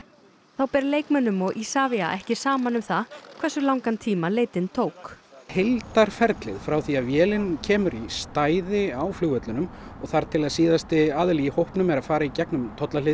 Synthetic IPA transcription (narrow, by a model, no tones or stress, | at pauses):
θawpɛɾleːjkmɛnːʏmɔɣʔisaːvia̰ʔɛhcɪ̥saːmanʏmθakʰvɛrsʏlawŋkant̪ʰiːmaleːjt̪ɪnt̪ʰoːwkhelt̪aɾ̥fɛɾt̪lɪ̰ðfɾawθiaðvjɛːlɪncʰɛːmʏɾist̪aːjðɪawfluːɣœt̪lʏnʏmɔɣθaɾt̪ʰɪlaðsiːðast̪ɪaːðʏliihowhpnʏmɛɾaðfaːɾaicɛknʏmt̪ʰɔt̪lalɪ